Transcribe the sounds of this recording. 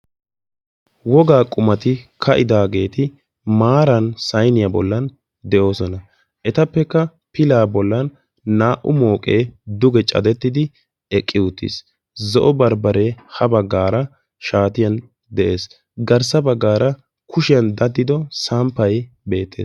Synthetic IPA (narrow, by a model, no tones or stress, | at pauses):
wɔɡaːkʼʊmɐt̪ɪkʰɐʔɪd̪aːɡe̞ːt̪ɪ | maːɾɐnsɐjnɪjɐbɔlːɐn | d̪ɛʔo̞ːsɔnɐ | ʔɛt̪ɐpːɛkːɐ | pɪlaːbɔlːɐnː | aːʔʊmo̞ːkʼeːd̪ʊɡɛt͡ʃʼɐ̰d̪ɛt̪ːɪd̪ɪ | ɛkʼːɪʊt̪ːḭs | zɔʔɔbɐɾbɐɾeːhɐbɐɡːaːɾɐ | ʃaːt̪ɪjɐn | d̪ɛʔe̞ːs | ɡɐɾsɐbɐɡːaːɾɐ | kʰʊʃɪjɐnd̪ɐd̪ːɪd̪ɔsampːɐj | be̞ːt̪ːeːs